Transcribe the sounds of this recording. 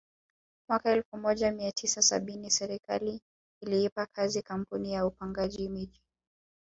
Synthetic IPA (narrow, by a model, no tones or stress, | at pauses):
mwakaɛlfumɔʄamiatʰisasa̰ɓinisɛɾika̰liː | liipakʰazikam̩punijaupaŋɡaʄimiʄi